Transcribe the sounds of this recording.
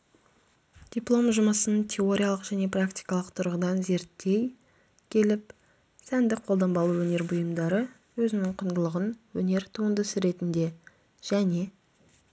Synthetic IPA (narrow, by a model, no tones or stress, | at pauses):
d̪̥ʲiplˠo̞mʒʊməsənt̪ʲʰeo̞ɾʲijalˠəqʒ̥æne̞prakt̪ijkɑlˠəqt̪ʰʊɾʁəd̪ɑnze̞ɾt̪ːe̞j | kʲʰe̞lɪp̚ | sænd̪ɪqʰːo̞lˠd̪ɑmbɑlˠuwɵne̞ɾbʊjəmd̪ɑɾə | wɵzɪnɪŋqʰʊnd̪əlˠəʁənwɵne̞ɾt̪ʰuənd̪əsəɾe̞t̪ɪnd̪e̞ | ʒ̥æne̞